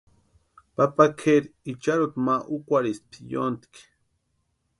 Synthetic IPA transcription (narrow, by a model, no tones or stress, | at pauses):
papakʰeɾit͡ʃaɾut̪maʔukʷaɾist̪̚pʰijo̰nt̪k